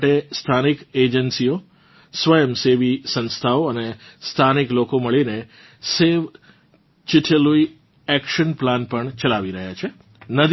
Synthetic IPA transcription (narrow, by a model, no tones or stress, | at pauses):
ʈest̪ʰaniked͡ʒənsio | sʋəjəmseʋisə̃nst̪ʰaoənest̪ʰaniklokoməɭine | seʋ | t͡ʃɪʈʰəlui | ɛkʃənplanpəɳt͡ʃəlaʋiɾəɦjat͡ʃʰe | nəd̪ʱ